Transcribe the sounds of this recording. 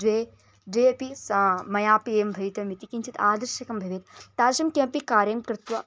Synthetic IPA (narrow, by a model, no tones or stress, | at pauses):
ʋeː | ɖeːpismɐjaːpieːmbʱɐjt̪ɐmit̪ikint͡ʃʰit̪aːd̪ɐɾʃɐkɐmbʱɐʋeːt̪t̪aːʃɐmkɐ̃pikaːɾjɐmkɾɪt̪ʋɐ